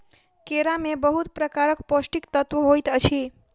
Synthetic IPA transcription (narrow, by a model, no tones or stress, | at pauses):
keɾamebəɦut̪pɾəkaɾəkposʈikt̪ət̪ʋəɦojt̪ət͡ʃʰi